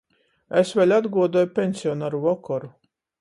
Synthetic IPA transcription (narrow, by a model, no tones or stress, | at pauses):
esvʲelʲad̪ɡuɔd̪uɔjupʲensʲiɔnaːɾuvɔkɔɾu